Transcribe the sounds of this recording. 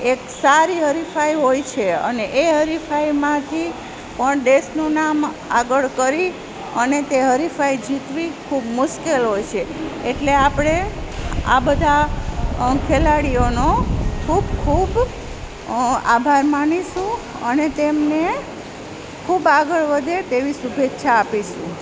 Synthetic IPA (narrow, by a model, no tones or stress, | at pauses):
eksaɾiɦəɾifaiɦojt͡ʃʰeə̰neʔeɦəɾifaimãt̪ʰi | pəɳɖesnũnam | aɡəɭkəɾi | ənet̪eɦəɾifaid͡ʒʱit̪ʋikʰubmʊʃkelɦojt͡ʃʰeeʈleapɽ̃e | a̰bəd̪ʱa | kʰelaɽijonokʰubkʰub | a̰bʱaɾmaniʃũ | ənet̪emne | kʰubaɡəɭʋəd̪ʱet̪eʋisubʱetːʃʰaːpiʃṵ̃